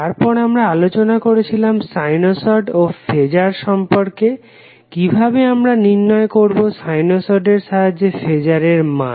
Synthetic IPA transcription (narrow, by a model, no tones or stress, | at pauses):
aɾpɔɾamɾaalot͡ɕonakoɾet͡ɕʰilamsajnosoɖofed͡ʑaɾʃɔmpoɾke | kibʱabeamɾaninːɔekoɾbosajnosoɖeɾʃaɦad͡ʑefed͡ʑaɾeɾmã̰